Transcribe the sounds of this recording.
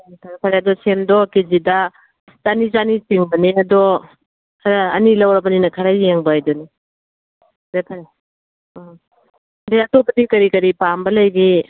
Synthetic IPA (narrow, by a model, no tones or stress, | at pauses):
tʰaɾapʰaɾeɐdɔsemdɔkizidɐ | z̥anizanitiŋbɐneɐdɔ | kʰɾaɐnilɐwɾɐbɐninɐkʰɐɾajeŋbɐjdɔni | ɾekʰaɾ | deɐtopɐdikɐɾikɐɾipambɐlɐjɡi